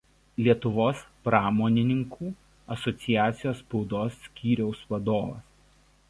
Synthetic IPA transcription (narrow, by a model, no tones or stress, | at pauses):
lʲiɛt̪ʊʋoːspɾɑːmoːnʲɪnʲɪŋkʰuː | ɐsɔt̪sʲɪjæːt̪sʲɪjoːspɔʊd̪oːsːʲkʲiːɾʲɛʊsʋɐd̪oːʋɐ̰s